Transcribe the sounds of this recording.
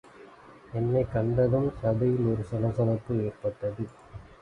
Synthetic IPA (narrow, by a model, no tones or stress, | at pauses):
ɛnːɐɪkɐɳɖɐðɯmsɐðɐjɪlɔɾɯsɐlɐsɐlɐpːɯeːrpɐʈːɐðɯ